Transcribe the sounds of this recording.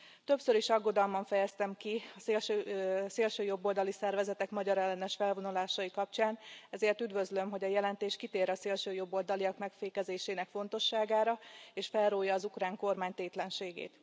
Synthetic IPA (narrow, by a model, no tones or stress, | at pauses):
t̪ø̞psø̞ɾiʃɒɡːo̞d̪ɒlmɒɱfɛjɛst̪ɛmkiɒseːlʃøseːlʃøːjo̞bːo̞ld̪ɒlisɛrvɛzɛt̪ɛkmɒɟɒɾɛlːɛnɛʃfɛlvo̞nulaːʃɒjikɒp̚t͡ʃaːnɛzeːrt̪yd̪vø̞zlø̞mɦo̞ɟɒjɛlɛnt̪eːʃkit̪eːɾɒseːlʃøːjo̞bːo̞ld̪ɒliɒkmɛkfeːkɛzeːʃeːnɛkfo̞nt̪o̞ʃːaːɡaːɾɒeːʃfɛlroːjːɒːzukraːŋko̞rmaːɲt̪eːt̪lɛnʃeːɡḛːt̪